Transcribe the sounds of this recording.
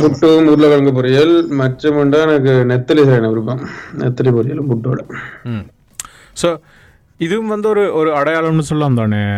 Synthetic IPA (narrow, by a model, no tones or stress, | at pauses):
pʊʈːoːɯmʊɾlɐʋɐɭɐŋɡɐp̬ːɔɾɪjɐlmɐʈːɐmɯɳɖaːɛnɐk̬ːɯnɛt̪ːɐlɪsɐɾeːnɐʋɪɾɯpːɐmnɛ̰t̪ːɐlipɔɾɪjɐlɯmpʊʈːoːɽɐ | soː | ɪðɯʋɯmʋɐnd̪ɯɔɾɯɔɾɯɐɽɐjaːɭɐmnɯsɔlːɐaːmt̪aːne